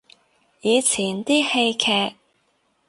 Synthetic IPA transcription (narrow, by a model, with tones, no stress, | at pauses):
jiː˨˧t͡sʰiː˨˩nt̪iː˥he˧jkʰɛː˧k̚